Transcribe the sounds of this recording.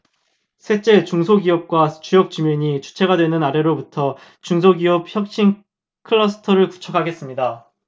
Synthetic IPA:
sʰe̞t͡ɕ͈e̞t͡ɕuŋsʰoɡiʌp̚k͈wat͡ɕujʌk̚t͡ɕumjʌɲit͡ɕu̥t͡ɕʰe̞ɡadwenɯnaɾe̞ɾobutʰʌ | t͡ɕuŋs̬ʰoɡiʌp̚çjʌk̚ɕ͈in | kʰɯɭːʌsʰɯ̥tʰʌɾɯɭku̥t͡ɕʰʌkʰaɡe̞s͈ɯmɲida

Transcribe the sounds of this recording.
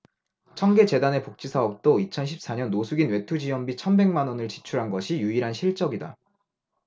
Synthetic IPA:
t͡ɕʰʌŋɡe̞t͡ɕe̞dane̞pok̚t͡ɕ͈isʰaʌp̚t͈oit͡ɕʰʌnɕʰip̚s͈aɲʌnːosʰuɡinwe̞tʰud͡ʑijʌmbit͡ɕʰʌnbe̞ŋmanʌnɯɭt͡ɕi̥t͡ɕʰuɾɦanɡʌɕʰijuiɾɦanɕʰiɭt͡ɕ͈ʌɡida̰

